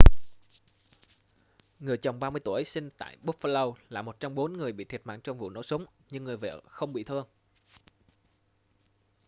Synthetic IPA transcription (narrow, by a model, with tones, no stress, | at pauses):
ŋɨ˨˩əjt͡ɕə˨˩wŋ͡mɓaː˧mɨ˧ət̪u˧˩˨jsï˧ŋ̟t̪a̰ː˧˨jɓu˦˥k̚fə˧lə˧wla̰ː˧˨mo˨˩t̚t͡ɕa˧wŋ͡mɓo˨˦nŋɨ˨˩əjɓḭ˧˨t̪ʰi˨˩t̚ma̰ː˧˨ŋt͡ɕɔ˧wŋ͡mvṵ˧˨no̰˧˥sə˨˦wŋ͡m | ɲɨ˧ŋːɨ˨˩əjvḛ˧˨xə˧wŋ͡mɓḭ˧˨t̪ʰɨ˧əŋ